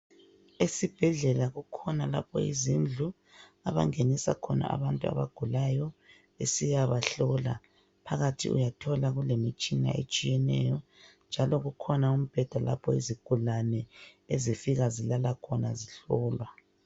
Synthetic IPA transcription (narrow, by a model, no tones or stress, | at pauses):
esib̥ʱɛɮɛlaɣukʰɔnala̰pʰɔ̰izind͡ɮʱu | aβaŋenisakʰɔna̰ʔa̰βantʼua̰βaɡ̥ʱulajɔ | esijaβaɬɔla̰ | pʰaɣatʰḭʔṵjatʰɔlaɣulemit͡ʃʼina̰ʔet͡ʃʼijɛnɛjɔnd͡ʒʱalɔɣukʰɔnaum̩b̥ʱɛd̥ʱala̰pʰɔiziɡ̥ʱulanɛezifiɣazilalakʰɔnaziɬɔːlwa